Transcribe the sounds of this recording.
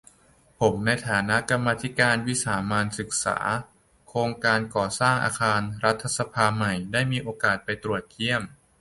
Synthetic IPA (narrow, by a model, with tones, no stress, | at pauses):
pʰo˩˦mna˧jt̪ʰaː˩˦na˦˥ʔka˧mːaː˧t̪ʰi˦˥kaː˧nwi˦˥saː˩˦maː˧nsɯ˨˩k̚sa̰ː˩˦ | kʰɾoː˧ŋkaː˧nkɔː˨˩saː˥˩ŋʔa̰ː˧kʰaː˧nɾa˦˥t̪ʰːa˧sa˧pʰaː˧ma˨˩jdaː˥˩jmiː˧ʔoː˧kaː˨˩t̪̚pa˧jt̪ɾu˨˩ət̪̚kʰi˥˩əm